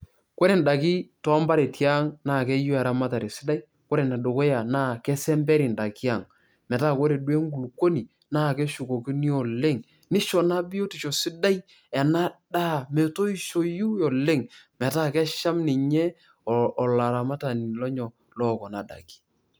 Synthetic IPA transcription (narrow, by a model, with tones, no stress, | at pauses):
ko˦ɾe˨nda˨ki˦tɔ˨˦a˦mba˦ɾe˨tja˦ŋnaː˦˨kɛ˦ju˦ɛ˨ɾa˦ma˦ta˨ɾe˨si˦da˦i˦ | ko˦ɾe˨na˨do˨ko˦ja˨na˦kɛ˦sɛ˦mbɛ˦ɾi˨nda˨ki˦a˦˨ŋ | mɛ˨ta˦˨ko˦ɾe˨dwe˦ŋɡu˨lko˦ni˨ | naː˦˨ke˦ʃu˨ko˨ki˦ni˦ɔ˨le˦ŋ | ni˦ʃɔ˨na˦bɪ˦jo˦ti˨t͡ʃo˨sɪ˦da˦j | ɛ˨na˦da˦˨mɛ˨to˦i˦˨ʃo˦˨ju˦jɔ˨le˦ŋmɛ˨ta˦˨kɛ˦ʃa˦mnɪ˨ɲɛ˦˨ | la˨ɾa˨ma˦ta˨ni˨lɔ˦ɲɔ˨ | lɔː˦kɔ˨na˨da̰˨ki̥˨